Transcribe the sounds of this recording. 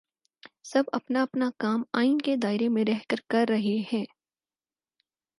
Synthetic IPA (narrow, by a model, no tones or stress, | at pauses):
sɐbɐpnaɐpnakaːmaːɪinked̪aːɪɾemẽɾɛɦkəɾkɐɾːɐɦehɛ̃ː